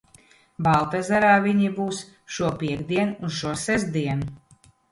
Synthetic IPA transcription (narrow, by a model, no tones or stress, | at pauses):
balˠt̪ɛzaɾaːvʲiɲibuːs | ʃuɔpʲiɛɡd̪iɛnuz̥ʃuɔsɛzd̪iɛnu